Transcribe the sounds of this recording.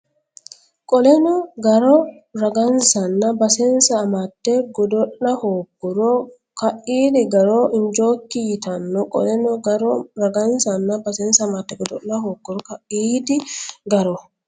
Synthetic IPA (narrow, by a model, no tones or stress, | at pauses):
kʼɔlɛnɔɡɐɾɔ | ɾɐɡɐnsɐnːɐbɐsɛnsɐːmat̪ːeɡɔd̪ɔʔːɐhoːkːɔɾɔ | kɐʔiːd̪ɪɡɐɾoːʔɪnd͡ʒoːkːɪjɪt̪ɐnːɔkʼɔ̰lɛnɔɡɐɾɔɾɐɡɐnsɐnːɐbɐsɛnsɐmat̪ːɛɡɔd̪ɔʔnːɐhoːɡːɔɾɔkɐʔiːd̪ɪɡɐɾɔ